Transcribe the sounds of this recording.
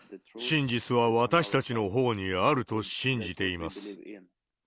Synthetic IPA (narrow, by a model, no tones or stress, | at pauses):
ɕĩɲd͡ʑit͡sɨβaβat̪aɕi̥t̪at͡ɕino̞ɦo̞ːɲ̟iaɾɯ̟t̪o̞ɕĩɲ̟d͡ʑit̪e̞imasɨ̥